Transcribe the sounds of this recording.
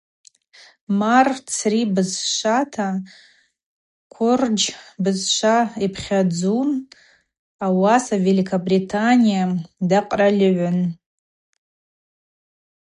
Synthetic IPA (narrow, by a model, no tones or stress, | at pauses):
mart͡sʰribɨzʃʷatʰa | kʷʰʊrd͡ʒbɨzʃʷaipʰχʲad͡zum | awasavelikʰabritʰanijamdaqʼralʲɪʕʷʊn